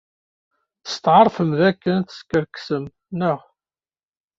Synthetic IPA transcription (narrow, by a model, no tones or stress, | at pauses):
θə̥st̪ʕɑɾˤfəmðækːənθə̥skːəɾksəm | nəʁ